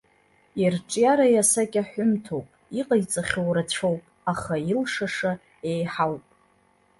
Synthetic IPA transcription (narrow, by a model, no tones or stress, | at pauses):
irʈ͡ʂʼjaɾajasakʲʼaħʷᶣʊmtʰowpʼiqʼajt͡sʼaχʲowrat͡ɕʷʰo̞wpʼaχailʂaʂa | ejħawpʼ